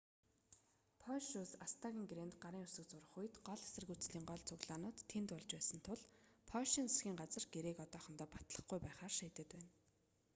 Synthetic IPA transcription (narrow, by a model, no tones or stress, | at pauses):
pʰɔʃusast̪ʰaɣʲĭŋɡrent̪ɢaɾiːŋʊsɵ̆k̚t͡sʊɾə̆χuj̆t̪ɢɔɮasɘ̆rɣujʰt͡sɮiːŋɢɔɮt͡sʰʊɣɮaːnʊːt̪ʰːent̪ʊɮt͡ɕpæːsə̆nt̪ʰʊɮpʰɔʃiːnt͡sʰe̥sɡʲiːŋɢat͡sə̆rɡeɾeːkɔt̪ɔːχə̆nt̪ɔːpḁt̪ɮə̆χɡujpæːχaːrʃiːt̪ə̆t̪pæːn